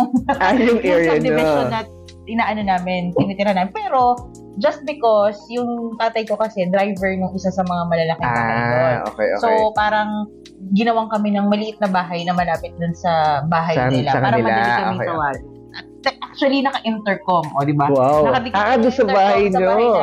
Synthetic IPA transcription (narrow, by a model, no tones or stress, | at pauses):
ajʊŋɛɐɪɪʃonɐt̪̚ | ʔɪnaːʔɐno̞naːmɪnt̪ɪniːt̪ɪɾɐnaːmɪnpɛːɾo̞ | d͡ʒɐst̪̚bɪkosjʊŋt̪aːt̪ɐjko̞kɐsɛd̪ɾajvɛɹnʊŋʔɪsasɐmɐŋamɐlɐlɐkɪaɐoo̰kɛ̰jo̰sopaːɾɐŋ | ɡɪnɐwaŋkɐmɛnɐŋmɐlɪʔɪt̪̚nɐbaːɦɐjnɐmɐlaːpɪt̪̚d̪ʊnsɐbaːɦɐjnɪlaɐpaːɾɐmɐaɐɡɐɪŋt̪ɐwaːɡ | ɐ | nɐʔak̚t͡ʃwɐlinɐkɐʔɪnt̪ɛɹkomʔod̪ɪbawawnɐkɐd̪ɪkaʔ̪ʊnsɐɐbaːhɐjɲɐob